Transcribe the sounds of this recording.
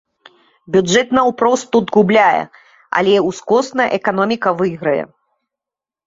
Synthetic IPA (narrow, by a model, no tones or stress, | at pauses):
bʲud͡ʐɛt̪nɐwpɾɔst̪ːud̪ɣublʲajɛ̰ | ɐ̰lʲɛuskɔsnɐj̰ʔɛkanɔmʲikɐvɨɣɾɐjɛ̰